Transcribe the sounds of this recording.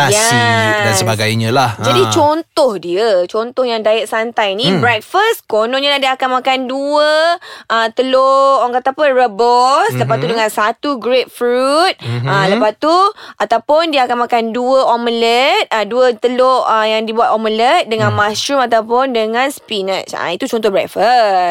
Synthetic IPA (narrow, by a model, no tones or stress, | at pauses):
jaasəbaɡajɲə̃lahd͡ʒadit͡ʃont̪ɔhdiət͡ʃɔnt̪ɔhjaŋdaɪʔ̚sant̪ajnĩbɾɛk̚fəst̪konɔ̃ʔɲalahdiəakanmakanduəʔət̪əloɔŋkat̪apənrəbɔsləpast̪udəŋãnsat̪uɡɾet̪̚fɾut̪̚ələpast̪uʔat̪awpʊndiəakanmakanduəʔɔmələt̪̚əduət̪əloəjaŋdibuat̪ɔmələt̪̚dəŋãnmasɾumat̪awpʊndəŋãnspinət͡ʃa̰it̪ut͡ʃɔnt̪ɔhbɾɛk̚fə